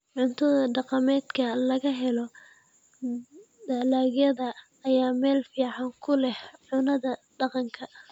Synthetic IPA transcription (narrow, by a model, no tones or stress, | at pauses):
ʕʊnt̪ʰɐðɐɖɑqɑmɛːd̪kʰɐlɐɣɐɦɛlɔ | daːlaːɣjɐðɐː | jaːmɛːlfiːʕɑŋkʰʊlɛhʕʊnɐðɐɖ̥ɑqɑŋkʰɐ